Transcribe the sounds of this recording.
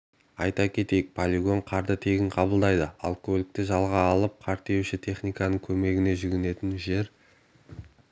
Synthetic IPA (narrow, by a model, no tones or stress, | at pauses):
ɑjt̪ɑkʲʰe̞t̪e̞jɪk̚pʰolʲiɡo̞ɴqʰɑɾd̪ət̪ʰe̞ɡʲɪɴqʰɑbəlˠd̪ɑjd̪əɑ̰lˠkolʲɪk̚t̪ɪʒɑlˠʁɑːlˠəp̚qʰɑɾt̪e̞wʃɪt̪ʰe̞χnijkɑnəɴkʲʰɵme̞ɡʲɪne̞ʒʏɡʲɪne̞t̪ɪnʒe̞ɾ